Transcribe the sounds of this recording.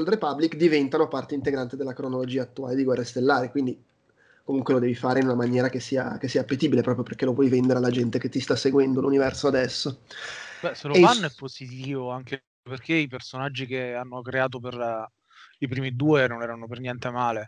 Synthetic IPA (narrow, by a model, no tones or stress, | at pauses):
ld̪ɾepabːlikd̪ivɛnt̪anopart̪eint̪eɡɾant̪ed̪elːakɾonolod͡ʒiːaːt̪ːuaːled̪iɡwɛrːest̪elːaːɾekwind̪i | komuŋkwelod̪ɛːvifaːɾeinunamanjɛːɾakesːiːa̰kesːiːaːpːet̪iːbilepɾɔːpɾjoperk̟elopwɔjvɛnd̪eɾealːad͡ʒɛnt̪eket̪ːist̪asːeɡwɛnd̪olunivɛrsoad̪ɛsːobɛseloeanːoɛpːozit̪iːvoaŋke | perkeipersonad͡ʒːikeanːokɾeaːt̪̬oper | ipɾiːmid̪uːenonɛːɾanopernjɛnt̪emaːle